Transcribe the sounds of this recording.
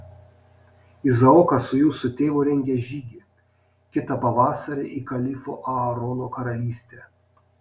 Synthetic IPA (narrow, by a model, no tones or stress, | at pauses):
ɪzɐɔːkɐsʊjuːsʊt̪ʲeːʋʊːɾʲɛŋʲɡʲɛʒʲiːɡʲiː | kʲɪt̪ɐpɐʋɑːsɐɾʲḛʔikɐlʲɪfo̰ːʔɐɐɾoːnokɐɾɐlʲiːsʲt̪ʲe